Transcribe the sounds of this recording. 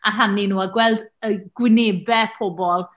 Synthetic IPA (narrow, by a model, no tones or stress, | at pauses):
aɦanːinuːaɡwɛlˠdəɡwɪneːbɛpʰɔbɔlˠ